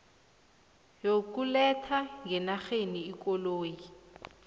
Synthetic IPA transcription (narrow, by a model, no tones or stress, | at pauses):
jokulɛtʰaŋɡʱɛnaxeniːkɔloːji